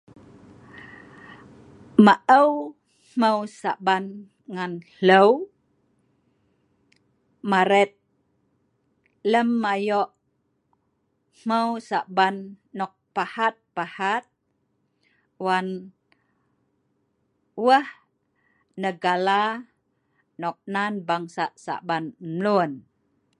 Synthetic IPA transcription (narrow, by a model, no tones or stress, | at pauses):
maʔəw | m̥əwsaʔban | ŋan | ləw | maɾɛt̪̚ | ləmːajɔʔ | m̥əwsaʔbanːɔk̚pahat̪̚pahat̪̚ | wan | wəh | nəɡala | nɔk̚nanbaŋsaʔsa̰ʔbanmlun